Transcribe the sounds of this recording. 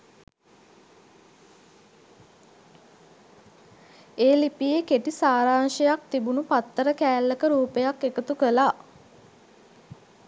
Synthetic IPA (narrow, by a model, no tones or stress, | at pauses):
eːlipijekeʈisaːɾaːŋʃəjak̚t̪ibunupat̪ːəɾəkæːlːəkəɾuːpejakːekət̪ukəlaː